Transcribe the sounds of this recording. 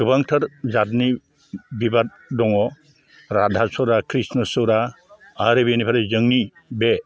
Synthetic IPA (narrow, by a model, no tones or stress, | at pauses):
kʰɯbaŋtʰəɾzatni | bibat̚ | dɔŋɔ | ɾadʱasɔɾakʰɾisnɔsɯɾa | aɾebinipʰaɾezɯŋni | be